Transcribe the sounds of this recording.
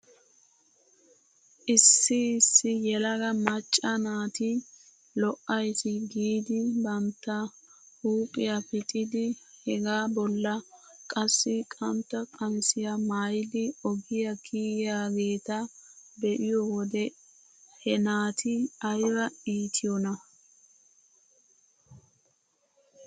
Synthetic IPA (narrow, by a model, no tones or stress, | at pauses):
ʔɪsːɪɪsːɪjɛlɐɡɐmɐt͡ʃʼːɐnaːt̪ɪ | lɔʔɐjt̪ɪɡiːd̪ɪbɐmt̪ːɐ | huːpʼɪjɐpɪt̪ʼɪd̪ɪhɛɡaːbɔlːɐkʼɐsːɪkʼɐmt̪ːɐkʼɐmsɪjɐmaːjd̪ɪɔɡɪjɐkʰiːjaːɡe̞ːt̪ɐbɛʔɪjɔwɔd̪ɛ | hɛnaːt̪ʰɪɐjbɐiːt̪ʰɪjɔnɐ